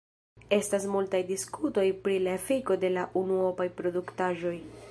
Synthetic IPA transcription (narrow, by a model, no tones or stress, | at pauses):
e̞stas̬multajdiskuto̞jpɾilaefiko̞de̞laʔunuopajpɾo̞duktaʒo̞j